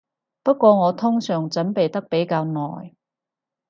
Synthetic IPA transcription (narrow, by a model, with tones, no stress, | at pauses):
pɐ˥t̚kʷɔː˧ŋɔː˨˧t̪ʰʊ˥ŋsœː˨˩ŋt͡sɐ˨˥npe˨jt̪ɐ˥k̚pe˨˥jkaː˧wnɔ̰ː˨j